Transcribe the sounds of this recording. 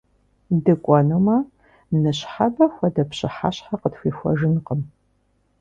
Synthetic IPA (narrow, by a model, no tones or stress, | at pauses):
dɨkʷʼɔnumɐ | nɨɕħabɐxʷɔdɐpɕɪħa̰ɕħaqətxʷiːxʷɔ̰ʒɨnqəm